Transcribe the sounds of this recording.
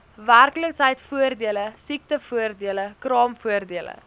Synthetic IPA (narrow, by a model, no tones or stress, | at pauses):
værkləksɦɛjtfuərdiələsik̚təfuərdiələkrɑːmfuərdiələ̰